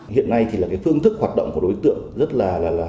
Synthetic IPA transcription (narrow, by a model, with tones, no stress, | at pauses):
hḭ˧˨ənːa˧jt̪ʰi˨˩laː˨˩kaː˨˦jfɨ˧əŋt̪ʰɨ˦˥k̚hwaː˨˩t̚ɗə̰˧˨wŋ͡mku˧˩˨ɗo˨˦jt̪ɨ̰˧˨əŋzə˦˥t̚laː˨˩laː˨˩laː˨˩